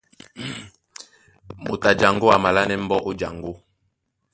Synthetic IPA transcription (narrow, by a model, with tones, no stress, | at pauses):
mo̰˨ta˨d͡ʒa˨ŋɡo˦a˨ma˨la˦nɛ˦m̩˦bɔ˦ʔo˦d͡ʒa˨ŋɡo˦